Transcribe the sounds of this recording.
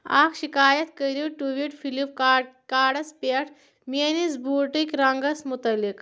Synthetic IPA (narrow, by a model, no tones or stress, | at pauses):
a̰ːkʰʃikaːjɐt̪kəɾiʈuʋiʈfʰilipkaːɽɐspeʈʰ | menisbuːʈikɾɐŋɡɐsmut̪ɐlːik